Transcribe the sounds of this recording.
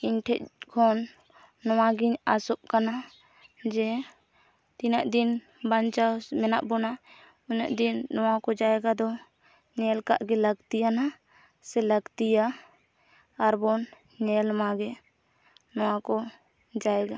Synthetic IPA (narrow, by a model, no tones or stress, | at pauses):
iɲʈʰɛʔ̚kʰɔnː | ɔwaɡiɲasɔʔkana | d͡ʒɛ | t̪inaʔd̪in | baɲt͡ʃawmɛna̰ʔbɔna | uɲaʔd̪inːɔwakɔd͡ʒaɛɡad̪ɔ | ɲɛlka̰ʔɡɛləɡt̪ijana | sɛləɡt̪ija | ɾbɔn | ɲɛlmaɡɛ | nɔwakɔ | d͡ʒaɛɡa